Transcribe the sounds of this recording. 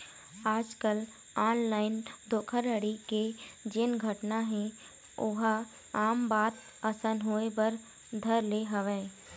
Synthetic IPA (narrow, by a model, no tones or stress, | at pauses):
aːd͡ʒkəl | aːnlaːɪnd̪ʱoːkʰəɾəɽiked͡ʒɪnɡʱəʈnaɦɛ̃ | ʊɦa | aːmbaːt̪ | əsənɦoːebəɾ | d̪ʱəɾleɦəʋeː